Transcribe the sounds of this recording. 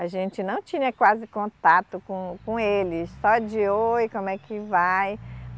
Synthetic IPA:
aʒẽt͡ʃɪnɐ̃w̃t͡ʃĩɲɐkwazɪkõnt̪at̪ʊkõkõelɪsɔd͡ʒɪojkõmʊɛkɪvaj

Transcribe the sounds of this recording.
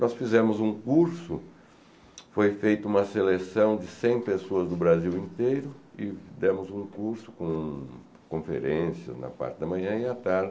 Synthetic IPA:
nɔsfizẽmʊzũkuɾsʊ | fojfejt̪ʊũmɐselesɐ̃w̃d͡ʒɪsẽj̃pesoɐzd̪ʊbɾaziwĩnt̪ejɾʊɪd̪ɛ̃mʊzũkuɾsʊ̥kõ | kõfḛɾẽsjɐ̰znɐ̰pa̰ɾt͡ʃɪd̪ɐmɐ̃ɲɐ̃ɪat̪aɾd͡ʒ

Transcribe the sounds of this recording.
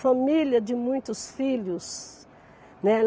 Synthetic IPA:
familjɐd͡ʒɪmũj̃t̪ʊsfilʊs | nɛl

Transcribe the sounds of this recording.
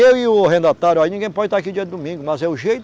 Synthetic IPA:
ewiʊɦẽnd̪at̪aɾjʊainĩɡẽj̃pɔd͡ʒɪt̪aɾakid͡ʒiɐd̪ɪd̪ʊmĩɡʊmɐzɛʊʒejt̪

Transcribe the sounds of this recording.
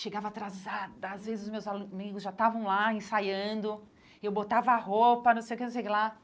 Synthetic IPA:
ʃeɡavɐat̪ɾazad̪ɐazvezɪzʊzmewzamiɡʊzʒat̪avɐ̃w̃laẽsajɐ̃nd̪ʊ | ewbot̪avɐahopɐnɐ̃w̃sejʊkenõsejkɪla

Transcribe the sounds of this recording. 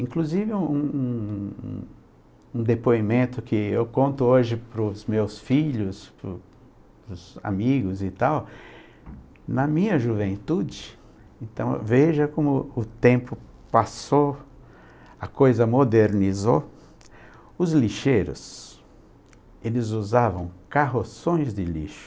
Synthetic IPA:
ĩŋkluzivɪ̃ũṵ̃ | ũd̪epoimẽnt̪ʊkʰɪewkõnt̪ʊoʒɪpɾʊzmewsfiʎʊspɾʊ | pɾʊza̰miɡʊzit̪aw | nɐmĩɲɐʒuvẽnt̪ud͡ʒɪ | ẽnt̪ɐ̰̃w̃veʒɐkõmʊʊt̪ẽmpʊ | paso | ɐkojzɐmod̪eɾnizo | ʊzliʃejɾʊ̰s | elɪzuzavɐ̃w̃kaɦosõj̃zd̪ɪlḭʃʊ̥

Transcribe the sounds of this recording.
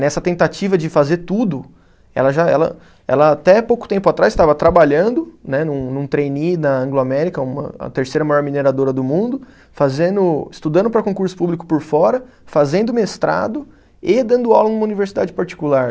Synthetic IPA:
nɛsɐt̪ẽnt̪at͡ʃivɐd͡ʒɪfazeɾt̪ud̪ʊ | ɛ̰lɐʒaɛ̰lɐ̰ | ɛ̰lɐat̪ɛpowkʊ̥t̪ẽpʊat̪ɾajst̪avɐt̪ɾabaʎɐ̃nd̪ʊnɛnũnũt̪ɾejninɐɐ̃ŋɡloamɛɾikɐũmɐ̰ɐ̰t̪eɾsejɾɐmajɔɾmineɾad̪oɾɐd̪ʊmũnd̪ʊ | fazẽnd̪ʊɪst̪ud̪ɐ̃nd̪ʊpɾɐkõkuɾsʊ̥publikʊ̥poɾfɔɾɐ | fazẽnd̪ʊmest̪ɾʔa̰d̪ʊ | ɪd̪ɐ̃nd̪ʊawlɐnũmɐuniveɾsid̪ad͡ʒɪpaɾt͡ʃi̥kulaɾ

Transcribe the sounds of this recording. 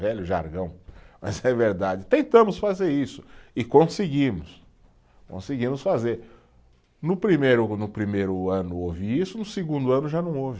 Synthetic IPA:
vɛʎʊʒa̰ɾɡɐ̃w̃mɐ̰zɛveɾd̪ad͡ʒɪt̪ẽnt̪ɐ̃mʊsfazeɾisʊ̥ɪkõsɪɡĩmʊs | kõ̰sɪɡĩmʊsfazeɾ | nʊpɾimejɾʊnʊpɾimejɾʊɐ̃nʊoviisʊnʊseɡũd̪ʊɐ̃nʊʒanɐ̃w̃ovɪ

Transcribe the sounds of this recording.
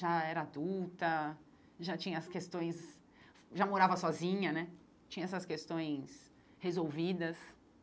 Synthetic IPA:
ʒaɛɾɐad̪uwt̪ɐ | ʒat͡ʃĩɲɐɐskest̪õj̃s | ʒamoɾavɐsɔzĩɲɐnɛ | t͡ʃĩɲɐɛsɐskest̪õj̃s | hezowvid̪ɐs

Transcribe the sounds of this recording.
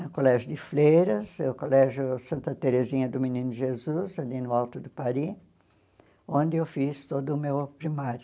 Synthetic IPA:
kolɛʒʊd̪ɪflejɾɐsɛkolɛʒjʊsɐ̃nt̪ɐt̪eɾezĩɲɐd̪ʊminĩnʊʒezuzalinʊawt̪ʊd̪ʊpaɾi | õnd̪ɪewfist̪od̪ʊmewpɾimaɾjʊ

